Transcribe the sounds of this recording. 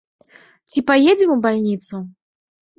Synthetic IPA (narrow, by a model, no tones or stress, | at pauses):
t͡sʲipajed͡zʲɛmubalʲnʲit̪su